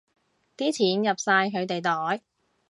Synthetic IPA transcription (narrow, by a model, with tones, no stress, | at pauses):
t̪iː˥t͡sʰiː˨˥njɐ˨p̚saː˧jɦɵ˨˧ɥt̪e˨jt̪ɔː˨˥j